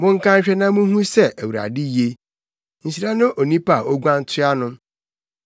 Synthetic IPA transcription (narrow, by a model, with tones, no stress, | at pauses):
mʊ̃˦ŋ̩˦kã˦ɲ̩˦ɕᶣɛ˦nã˦mũ˦ɦũ˦sɛ˦˨ʔæ˨wu˨ɾa̰˨dɪ˦je˦ | n̩˨si˨ɾa˦nʊ̃˦ʔo˨nĩ˦pa˨o˦ɡʷã˦n̩˦tʰɪ˦a˦nʊ̃˦